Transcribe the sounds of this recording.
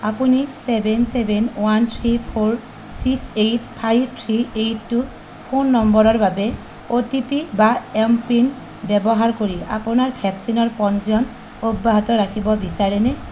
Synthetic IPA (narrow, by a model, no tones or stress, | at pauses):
apunisɛbʱɛnsɛbʱɛnwantʰɹipʰoɹ | siksejt̚pʰajb̚tʰɹiejtːu | pʰonːɔmbɔɹɔɹbabɛ | otipibaɛmpin | bɛbɔɦaɹkoɹia̰pʊnaɹpʰɛksinɔɹpɔnziɔn | obːaɦatɔɹakʰibɔbisaɹɛnɛ